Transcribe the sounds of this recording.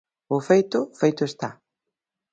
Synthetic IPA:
ʊfejt̪ʊfejt̪ʊest̪a

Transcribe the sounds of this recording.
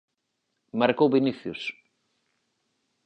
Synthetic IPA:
maɾkowβiniθjʊs

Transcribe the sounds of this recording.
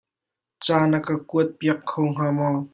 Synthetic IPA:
t͡saːnakakuət̪̚piəkkʰowŋ̥aːmɔ

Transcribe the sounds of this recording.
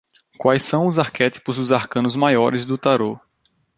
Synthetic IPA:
kwajsːɐ̃w̃ʊzaɾkɛt̪i̥pʊzd̪ʊzaɾkɐ̃nʊzmajɔɾɪzd̪ʊt̪aɾo

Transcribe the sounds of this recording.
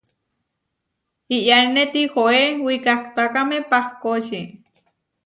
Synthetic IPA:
ijanet̪ixoewikakt̪akamepahkoʃi

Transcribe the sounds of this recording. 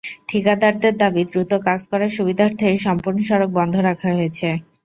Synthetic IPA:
ʈʰikad̪aɾd̪eɾd̪abid̪ɾut̪okad͡ʑkɔɾaʃubid̪ʱaɾt̪ʰekeʃɔmpuɾnoʃɔɾok̚bɔnd̪ʱoɾakʰaɦojet͡ɕʰe

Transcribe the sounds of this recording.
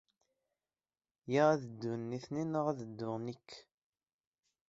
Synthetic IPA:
jiʁæðəd̪ːʊnːiθninəʁæðəd̪ːʊʁnikː

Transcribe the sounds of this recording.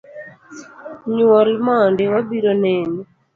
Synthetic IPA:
ɲuwɔɾimaːndiwabiɾɔnɛːni

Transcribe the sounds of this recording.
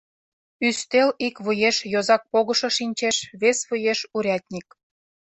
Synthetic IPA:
yst̪elikβujeʃjozɑk̚poɣɤ̆ʃŏʃinʲt͡ɕeʃβesβujeʃuɾʲɑt̪ʲnʲik̚

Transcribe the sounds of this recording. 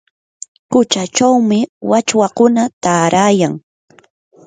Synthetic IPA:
kʊt͡ʃat͡ʃawmɪwat͡ʃwakʊnat̪aːɾʔaːjaŋ

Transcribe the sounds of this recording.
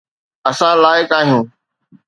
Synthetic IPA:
əsãːlaːɪkaːɦijũː

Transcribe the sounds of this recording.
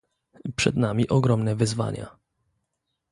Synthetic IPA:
pʂɛd̪namʲiʔɔɡɾɔmnɛvɘzva̰ɲa̰

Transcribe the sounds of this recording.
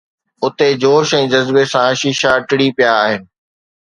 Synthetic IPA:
ʊt̪ed͡ʑoːʃɛ̃ːd͡ʑɐzbesãʃiːʃaʈɪɽipijaːɦɪnɪ̆

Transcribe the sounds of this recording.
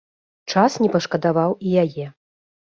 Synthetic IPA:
t͡ʂasnʲɛpɐʂkɐd̪avawijajɛ

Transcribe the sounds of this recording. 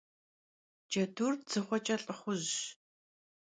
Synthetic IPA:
d͡ʒɐduːrd͡zɨχʷɔt͡ʃʼɐɬʼɨχʷʊʑ

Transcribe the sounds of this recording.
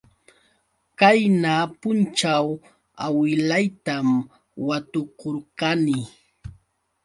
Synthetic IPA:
kajnapʊnt͡ʃaw | awɪlajt̪am | wat̪okoɾkanɪ

